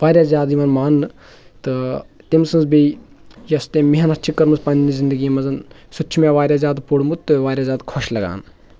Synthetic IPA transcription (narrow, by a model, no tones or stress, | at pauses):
ʋaːɾʲjaːzʲjaːd̪jiʋɐːnmaːnːɨ | t̪ɨt̪imsɨnzbejɐst̪ẽːmiɦɐnɐt͡ʃʰikɐɾmɨspɐninizind̪əɡiːmɐzɐnsut͡ʃʰmeːʋaːɾʲjaːzʲjaːd̪puɽmut̪t̪ːɨʋaːɾʲjaːzʲaːd̪kʰɔʃlɐɡa̰ːn